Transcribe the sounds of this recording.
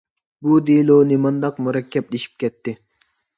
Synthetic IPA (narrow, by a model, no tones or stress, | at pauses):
bud̪ilˠonɪmɑnd̪ɑqmuɾɛkʲːɛp̚leʃi̥p̚kʲɛt̪ʰːɪ